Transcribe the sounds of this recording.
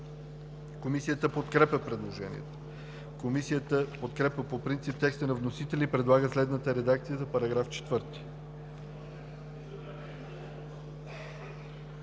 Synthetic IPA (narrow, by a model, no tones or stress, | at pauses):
komisijət̪əpot̪kɾɛpʲəpɾɛd̪lˠoʒɛnḭɛ̰t̪o̥ | komisijət̪əpot̪kɾɛpʲəpopɾint̪sip̚t̪ɛkst̪ənɐvnosit̪ɛlʲipɾɛd̪lˠaɡəslɛd̪nət̪əɾɛd̪akt̪sijəzɐpɐɾɐɡɾaft͡ʃɛ̥t̪vɤɾt̪i̥